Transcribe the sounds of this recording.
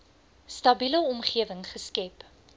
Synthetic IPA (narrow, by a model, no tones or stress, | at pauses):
stɐbiləɔmχiəvəŋχəskɛp